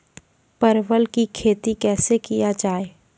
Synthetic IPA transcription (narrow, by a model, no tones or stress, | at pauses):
pəɾʋəlkikʰeːt̪ikɛːsekijad͡ʒaːeː